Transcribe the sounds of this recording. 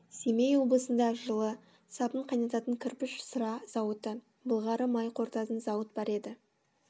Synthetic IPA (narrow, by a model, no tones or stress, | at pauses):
semejwo̞blˠəsənd̪ɑʒəlˠə | sɑpəɴqʰɑjnɑt̪ɑt̪əŋkʲʰʏɾpɪʃsəɾɑz̥ɑwət̪ə | bəlˠʁɑɾəmɑjqʰo̞ɾt̪ɑt̪ənzɑwət̪̚bɑɾe̞d̪ɪ